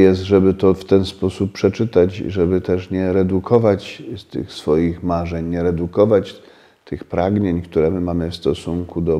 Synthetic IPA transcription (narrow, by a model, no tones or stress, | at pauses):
jɛst̪ʐɛbɘt̪ɔft̪ɛnspɔsuppːʂɛt͡ʂɘt̪at͡ɕʐɛbɘt̪ɛʂɲɛɾɛd̪ukʰɔvat͡ɕst̪ɘ̰xsfɔjixmaʐɛɲɲɛɾɛd̪ukɔvat͡ɕ | t̪ʰɘxpɾaɡɲeɲkt̪uɾɛmɘmamɘfst̪ɔsuŋkud̪ɔ